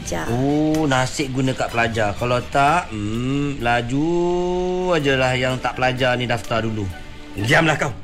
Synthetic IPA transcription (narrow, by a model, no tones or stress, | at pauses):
d͡ʒonasɪʔɡunə̃kaʔpəlad͡ʒarkalawt̪aʔplad͡ʒu | adəlahjaŋt̪aʔpəlad͡ʒanidaft̪ardulu | ɡiamlahkaw